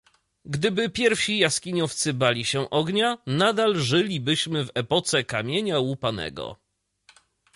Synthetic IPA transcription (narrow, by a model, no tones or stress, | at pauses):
ɡd̪ɘbɘpʲjɛɾfɕijaskʲiɲɔft̪sɘbalʲiɕɛʔɔɡɲanad̪alʐɘlʲibɘɕmɘvɛpɔt̪sɛkamʲjeɲawupanɛ̰ɡɔ̰